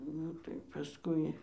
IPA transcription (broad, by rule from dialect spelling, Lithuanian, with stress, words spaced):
ˈnʊ tɐɪ pɐˈskʊɪ